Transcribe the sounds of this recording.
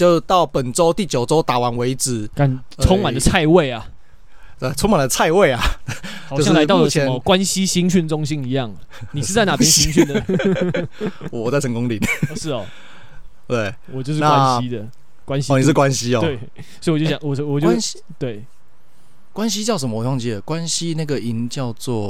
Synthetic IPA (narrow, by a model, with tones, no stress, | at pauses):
t͡ɕjo˥˧ʊt̪ɑ˥˩ʊpə˨˩nʈ͡ʂo˥ʊt̪i˥˨˩t͡ɕjo˨˩ʊʈ͡ʂo˥ʊt̪a˨˩wa˧˦nwe˧˥ɪt͡sɻ̩˨˩˦ka˨˦nt͡sʰʊ˥ŋma˨ndə˦t͡sʰa˥˧ɪwe˥˨ɪa˨ | a˥˩t͡sʰʊ˥ŋma˨˩nd̪ə˧t͡sʰa˥˧ɪwe˥˩ɪa˩o˨˥˧jŋ˥la˧ɪt̪ʊd̪ə˩˨ə˧ɛ˧˦mə˧kwa˦nɕi˦ɕi˥ŋɕ̬y˥˩nʈ͡ʂʊ˥ŋɕi˦˥ni˧˦jɑ˥˩ŋ˩ni˨˩ʂ̩˥˧t͡sa˥˩ɪna˨˩jɛ˦nɕi˥ŋɕy˥˨˩ndə˩ | wwɔ˨˩t͡sa˥˩ɪt͡sʰə˧˦ŋkʊ˥˦ŋli˨˩˨ʂɻ̩˥˩ɔ̰˨˩ | t̪we˥˩ɪ | wɔ˨˩t͡ɕjo˥˧ʊʂ̬̩˥˧na˥wa˦nɕi˦˥d̪ə˨ | kwa˦nɕi˥˨ni˨ʂɻ̩˥˩kwa˦nɕi˦˥ɔ˨twe˥˩ɪ | swi˨ɔ˨t͡ɕjjɑ̰˨˩ŋwɔ˨˩˥wɔ˨˩t͡ɕjo˥˧˦ | t̪we˥˩ɪ | kwa˦nɕ̬i˦t͡ɕjɑ˥˩ʊʂ̬ə˧˦mə˧wɔ˨˩wɑ˥˧ŋt͡ɕi˥˩ə˩kwa˦nɕi˦na˥˩ɡə˨i˧˥nt͡ɕjɑ˥˧ʊt͡swɔ˥˨